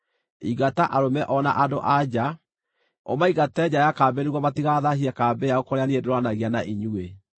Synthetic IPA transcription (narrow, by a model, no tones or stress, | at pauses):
iɡataʔaɾomɛʔɔna̰ʔado̰ʔad͡ʑa | o̰maiɣatɛd͡ʑajakaːbeneɣwɔmatiɣaðaɦiakaːbejaokɔɾeaniedeɾoanaɣeanaʔiɲue